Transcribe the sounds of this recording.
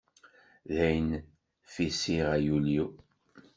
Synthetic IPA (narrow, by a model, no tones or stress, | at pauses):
ðæjn | fisiʁæjuliu